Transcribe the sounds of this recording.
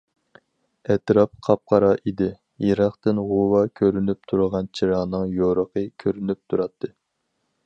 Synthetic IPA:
ɛt̪ɾɑp̚qʰɑp̚qʰɑɾɑʔid̪ɪ | jeɾɑχt̪ɨnʁowɑkʲʰøɾynyp̚t̪ʰuɾəʁɑnt͡ʃʰiɾɑʁnɨŋjoɾəqʰəkʲʰøɾynyp̚t̪ʰuɾɑt̪ʰːɨ

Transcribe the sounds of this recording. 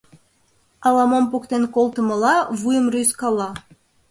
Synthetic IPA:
ɑlɑmompukt̪enkolˠt̪ə̆mɤ̆lɑβujə̆mryskɑlːɑ

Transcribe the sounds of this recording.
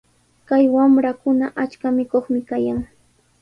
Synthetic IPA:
kajwamɾakʊnaʔat͡ʃkamɪkoχmɪkajaŋ

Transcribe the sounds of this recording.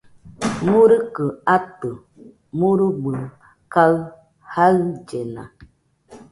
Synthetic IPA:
muɾəkəatə | muɾuɡ͡bə | kal | hald͡ʒɛna̰

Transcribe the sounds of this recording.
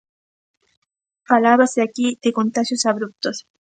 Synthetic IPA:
falaβaseakid̪̥ekont̪aʃjosaβɾup̚t̪os

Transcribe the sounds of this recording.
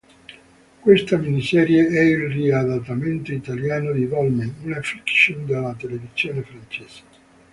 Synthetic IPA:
kwest̪aminisɛːɾjeɛilriad̪at̪ːament̪oit̪aljaːnod̪ivɔlmenunafikʃond̪elːat̪elevisjoːnefɾant͡ʃɛːse̥e

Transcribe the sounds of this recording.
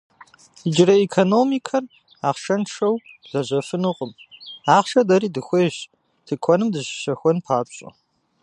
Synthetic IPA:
id͡ʒɪrɐekʰonoːmikʰɐr | aːχʃɐnʈ͡ʂɐwɮɐʑɐfɨnɨqʼəmaːχʃɐdɐɾiːdɨxʷeːɕ | tʰɨkʷʰɔnɨmdɨɕɕɐxʷɔnpʰaːpɕʼɐ̰

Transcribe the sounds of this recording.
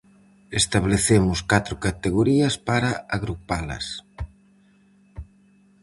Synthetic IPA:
est̪aβleθemʊskat̪ɾʊkat̪eɣoɾiɐspaɾɐaɣɾupalɐ̰s

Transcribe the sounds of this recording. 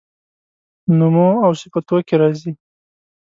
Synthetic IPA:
numoawsɪpat̪okeɾɑzi

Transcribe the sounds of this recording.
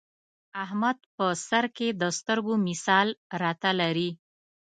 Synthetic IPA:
ahmad̪̚pəsaɾked̪əst̪əɾɡomɪsɑlɾɑt̪alaɾi

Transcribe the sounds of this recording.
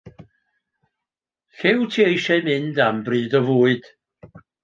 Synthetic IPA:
ɬɪwtʰiejʃɛmɪndambriːdɔvuːɨd̥

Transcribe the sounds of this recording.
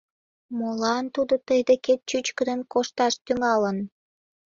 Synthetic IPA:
molɑnt̪ud̪ot̪əjd̪eket̪̚t͡ɕyt͡ɕkəd̪ənkoʃt̪ɑʃt̪yŋɑlən

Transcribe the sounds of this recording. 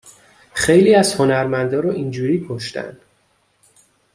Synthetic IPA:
xe̞jliːæz̥ho̞næɾmænd̪ɒːɾɒːʔind͡ʒuːɾiːkʰoʃt̪æ̰nd̪̥

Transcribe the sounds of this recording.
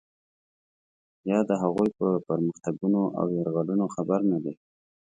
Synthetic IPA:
jɑd̪əɦaɣujpəpəɾməxt̪aɡunoʔa̰wjɑɾɣɑlunoxabaɾnad̪e

